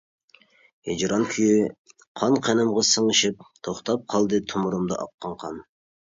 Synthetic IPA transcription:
ed͡ʒɾʔɑnkʲʰyjy | qʰɑnqʰenɨmʁɑsɨɴɨʃɪp̚t̪ʰoχt̪ʰɑp̚qʰɑlˠd̪ɨt̪ʰumuɾumd̪ɑ̰ʔɑ̰qːɑɴqʰɑn

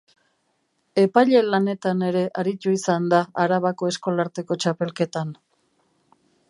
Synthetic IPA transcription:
e̞pajʎe̞lane̞t̪ane̞ɾe̞ʔaɾit̪uisand̪aaɾaβako̞e̞sko̞laɾt̪e̞ko̞t͡ʃape̞lke̞t̪an

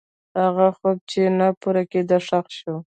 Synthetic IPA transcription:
haɣaxob̚t͡ʃenapuɾaked̪aʂaqʃo

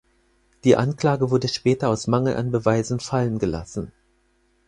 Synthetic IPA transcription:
d̥iːʔankl̥aːɡəvʊɐdəʃpɛːtɐaʊsmaŋl̩ʔa̰nbəvaɪzn̩falənɡəla̰sn̩

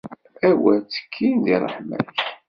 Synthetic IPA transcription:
æwæt͡sːə̥kʰːind̪irˤːə̰ħmæ̰ç

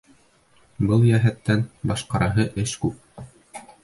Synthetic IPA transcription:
bɤlˠjæɦæt̪ːænbɑʃqɑɾʔɑɦɤʔɘʃkʉp̚

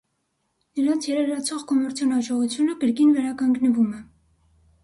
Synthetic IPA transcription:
nəɾɑnt͡sʰjɛɾɛɾɑt͡sʰɔʁkɔmɛɾt͡sʰjɑnɑʒɔʁut͡sʰjunəkəɾkinvɛɾɑkɑŋɡnəvumɛ

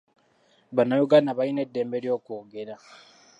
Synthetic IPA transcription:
βanajuɡanaβainedːeːmbeɾjo̞ːkoːɡeɾa

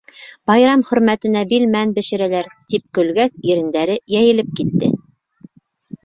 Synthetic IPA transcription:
bɑjɾɑmχɵ̆ɾmæt̪ɘ̆næbilmænbɘ̆ʃɘ̆ɾælæɾt̪ip̚kɵ̆lɡæsiɾɘ̆nd̪æɾɘjæjɘ̆lɘp̚kit̪ːɘ̰

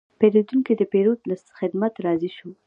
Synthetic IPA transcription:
pelod̪uŋkid̪əpeɾod̪lasxɪd̪mat̪ɾɑziʃu

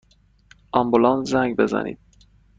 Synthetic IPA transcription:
ʔɒmbulɒnzæŋɟbe̞zæ̰nʔḭːd̪̥̚

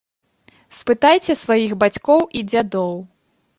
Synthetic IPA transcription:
spɨt̪ajt͡sʲɛsvajixbat͡sʲkɔwʔid͡zʲad̪ɔw

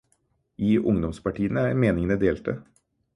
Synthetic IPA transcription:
iːʔʊŋd̪ɔmspɑʈʰiːənəæɾmeːnɪŋənəd̪eːlt̪ə

